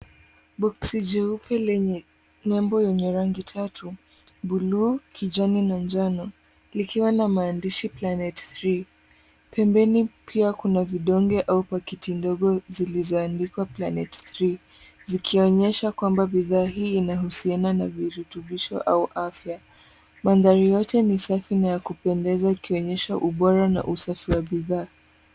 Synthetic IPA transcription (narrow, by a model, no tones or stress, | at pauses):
bɔksid͡ʒɛupʰɛlɛɲɛ | nɛmbɔjɛɲɛɾaŋɡitʰatʰu | ɓulukʰid͡ʒaninand͡ʒanɔ | likʰiwanamaːndiʃiplanɛtθɾi | pʰɛmbɛnipʰiakunaviɗɔŋɡɛʔaupakitʰindɔɠɔzilizɔandikwaplanɛtθɾi | zikʰiɔɲɛʃakwambaɓiðaːɦiːnaɦusiananaviɾutuɓiʃɔ̰ʔauʔafja | manðaɾijɔtɛnisafinajakupɛndɛzaikiɔɲɛʃaʔuɓɔɾana̰ʔusafiwaɓiðaː